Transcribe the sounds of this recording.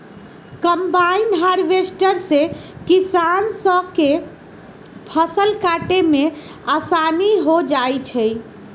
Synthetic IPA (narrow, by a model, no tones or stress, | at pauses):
kəmbainɦaɾʋesʈəɾsekisansəke | pʰəsəlkaʈeme | asaniɦod͡ʒajt͡ʃʰəj